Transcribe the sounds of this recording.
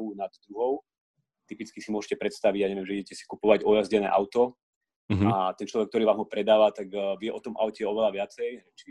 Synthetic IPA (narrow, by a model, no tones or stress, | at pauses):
nad̪ːɾuɦɔʊ | t̪ipit͡skisimʊɔʒɛcɛpɾɛt̪st̪aʋiɟjaɲɛʋɛmʒɛiɟɛcɛsi̥kupɔʋaɟɔjazɟɛnɛ̰ːʔa̰ʊt̪ɔ | at̪ɛnt͡ʃlɔʋɛk̚t̪ɔɾiːʋaːmɦɔpɾɛd̪aːʋat̪aɡʋɪɛʔɔt̪ɔmʔa̰ʊcɛɔʋɛlaʋɪat͡sɛjɾɛt͡ʃi